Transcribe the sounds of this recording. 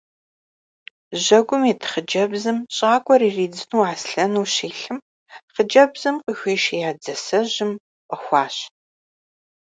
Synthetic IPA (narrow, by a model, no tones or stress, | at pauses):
ʑɐɡʷʊmiːtʰχəd͡ʒɐbzɨmɕʼaːkʷʼɔɾiːriːd͡zɨnuːaːsɬɐnuːɕiːɬɨm | χəd͡ʒɐbz̥ɨmqəxʷiːʃjaːd͡zɐsɐʑɪm | qʼəxʷɑːɕ